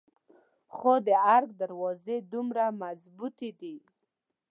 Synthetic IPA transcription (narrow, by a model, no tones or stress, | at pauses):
xod̪əaɾɡ̚d̪aɾwɑzed̪umɾamazbut̪ed̪i